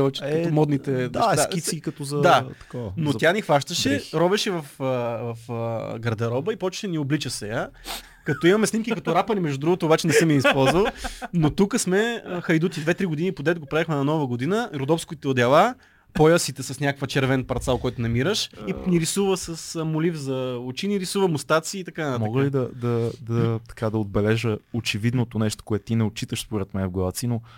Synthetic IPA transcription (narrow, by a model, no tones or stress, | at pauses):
t͡ʃ̪omɔd̪nit̪ɛnaʃt̪asʲiikɐt̪ɔzɐd̪at̪ɐ̥kɔnott̪janixvaʃt̪əʃɛɾɔbɛʃɛvɐfəvɐfɡɾɐd̪ɐɾɔbəipɔt͡ʃɛ̥ʃɛnioblit͡ʃəsɛja | kɐt̪ɔimɐmɛsnimkikɐt̪ɔɾapɐlimɛʒd̪ud̪ɾuɡʊt̪oːbat͡ʃɛnɛsɛmiisppɔlˠzvəlnot̪ukəsmɛxɐjd̪ut̪ʲid̪vɛt̪ɾiɡod̪inipod̪ɛt̪ɡopɾaɛxmɛnɐnɔvəɡod̪inəɾod̪ɔfskʊit̪ɛod̪ʲɐlˠa | pojəsit̪ɛsɐsnʲakəkfət͡ʃɛɾvɛnpɐɾt̪salˠkɔjt̪ʊnɐmiɾəʃiniɾisuvəsəsmolifzɐot͡ʃiniɾisuvəmʊst̪at̪siːt̪ɐkant̪amaɔɡəlid̪ɐd̪ɐd̪ɐt̪ɐ̥kad̪ɐod̪̚bɛlɛʒəot͡ʃɛvid̪not̪onɛʃt̪o̥koɛt̪ːt̪inɛot͡ʃit̪əʃspoɾɛt̪mɛnvɡlˠavt̪sino